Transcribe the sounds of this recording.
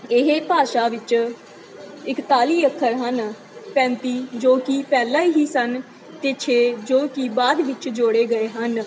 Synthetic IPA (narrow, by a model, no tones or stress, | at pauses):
ɪɦeːpaːʃaːʋɪt͡ʃ | ɪkt̪aːliːəkʰːəɾɦən | pɛ̃ːnt̪iːd͡ʒoːkipɛːlaːiːɦiːsən | t̪et͡ʃʰeːd͡ʒoːkibaːd̪ʋɪt͡ʃd͡ʒoːɽeːɡəeːɦən